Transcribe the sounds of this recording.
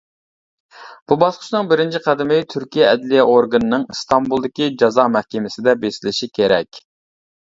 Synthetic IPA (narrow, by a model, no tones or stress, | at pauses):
b̥ubɑsqʊ̥ʃnɨŋbɪɾɪnt͡ʃʰiqʰæd̪ɪmɪt̪ʰyɾkʲʰijɛɛd̪lijɛoɾɡɨnɨnɨŋst̪ɑmbulˠd̪ɪkʲid͡ʒɑzɑːmɛhkʲemɪsɪd̪ɛbesɪlɪʃikʲʰeɾɛkʲ